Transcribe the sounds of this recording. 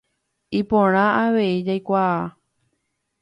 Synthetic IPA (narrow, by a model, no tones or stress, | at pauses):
ipõɾ̃ãaʋe̞id͡ʒajkʷaa